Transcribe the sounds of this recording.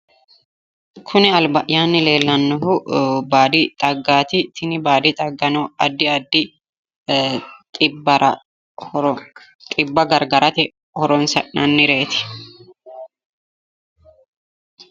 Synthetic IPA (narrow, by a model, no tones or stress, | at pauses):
kʰʊnɛɐlbɐʔjaːnːɪle̞ːlːɐnːɔhʊbaːd̪ɪt̪ʼɐɡːaːt̪ɪt̪ʰɪnɪbaːd̪ɪt̪ʼɐɡːɐnɔɐd̪ːɪɐd̪ːɪ | t̪ʼɪbɐɾɐ | t̪ʼɪbːɐɡɐɾɡɐɾɐt̪ɛ | hɔɾɔnsɐ̰nɐnːɪɾe̞ːt̪ɪ̥